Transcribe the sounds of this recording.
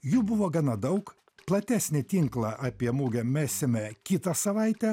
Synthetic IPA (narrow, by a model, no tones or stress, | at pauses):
juːbʊʋoːɡɑnɑd̪ɐʊk | plˠɐt̪ʲæːsʲnʲɪt̪ʲiŋklˠɐʔɑːpʲiɛmuːɡʲɛmʲæːsʲɪmʲɛkʲit̪ɐsɐʋɐˑɪt̪ʲɛ